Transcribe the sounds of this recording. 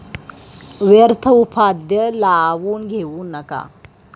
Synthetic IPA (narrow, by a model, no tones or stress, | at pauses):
ʋeɾt̪ʰəupʰad̪jəlaʋuːnɡʱewunːɐka̰